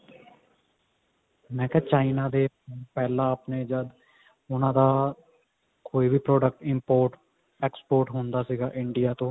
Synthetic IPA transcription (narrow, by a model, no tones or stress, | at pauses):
mɛ̃ːkɛːt͡ʃaːinaːd̪eː | pɛːlãːəpneːd͡ʒəd̪ | ʊnãːd̪aː | koːiːbʱiːpɾoːɖək̚ʈɪmpoːɾʈ | ɛːkspoːɾʈɦõːnd̪aːsiːɡaːʔɪɳɖɪjaːt̪õː